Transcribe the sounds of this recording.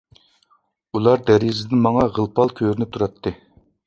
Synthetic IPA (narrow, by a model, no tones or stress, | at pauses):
ulˠɑɾd̪æɾjzɪd̪ɪnmɑŋɑʁəlˠpʰɑlˠkʲʰøɾnɪt̪ʰuɾɑt̪ʰːɨ